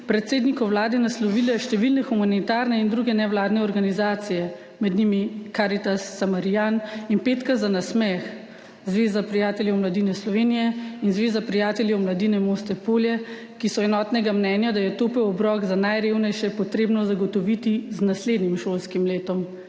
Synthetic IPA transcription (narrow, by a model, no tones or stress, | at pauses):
pɾɛt̪seːd̪nikɔwlaːd̪ɛnaslɔʋilɛʃt̪ɛʋilnɛxumanit̪aːɾnɛind̪ɾuɡɛnɛʋlaːd̪nɛɔɾɡanizaːt̪sijɛ | mɛd̪nimikaːɾit̪asːamaɾijaninpeːt̪kazanasmɛx | zʋeːzapɾijaːt̪ɛljɛwmlad̪inɛslɔʋeːnijɛinzʋeːzapɾijaːt̪ɛljɛwmlad̪iːnɛmost̪ɛpoljɛ | kisɔɛnɔːt̪nɛɡamnɛːnjad̪ajɛt̪oːpɛwɔbɾɔːɡzanajɾewnɛjʃɛpɔt̪ɾeːbnɔzaɡɔt̪ɔʋit̪iznasleːd̪nimʃolskimleːt̪ɔm